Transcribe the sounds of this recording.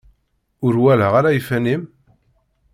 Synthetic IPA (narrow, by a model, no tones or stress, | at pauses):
ʊɾwælaʁaɾajifænim